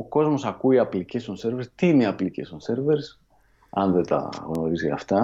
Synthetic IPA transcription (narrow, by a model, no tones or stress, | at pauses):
oko̞zmo̞sɐkuiɐplicesonse̞ɾveɾst̪iineɐplice̞sonse̞ɾveɾs | ɐnðet̪ɐ̰ɣno̞ɾiziɐ̰ft̪ɐ